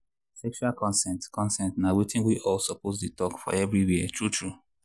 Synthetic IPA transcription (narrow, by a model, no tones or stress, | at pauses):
sɛk̚t͡ʃuakɔ̃nsɛ̃ntkɔ̃nsɛ̃ntnawetĩŋwiʔɔlsɔpot̬detɔkfɔ̰ɛvɾiwiɛtɹutʰɹu